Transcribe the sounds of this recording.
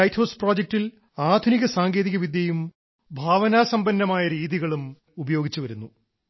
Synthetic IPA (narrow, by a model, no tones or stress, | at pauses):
ɐjthoːsproːd͡ʑek̚til | aːd̪ʱuniɣɐsaːŋɡe̞ːðiɣɐʋid̪jɐjum | bʱaːʋɐnaːsɐmbɐnːɐmaːjɐɾiːðiɣɐɭum | ubɐjo̞ːɡit͡ɕːuʋɐɾunːu